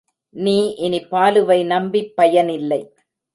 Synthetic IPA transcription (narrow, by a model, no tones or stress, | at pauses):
niːʔɪnɪpːaːlɯʋɐɪnɐmbipːɐjɐnɪlːɐɪ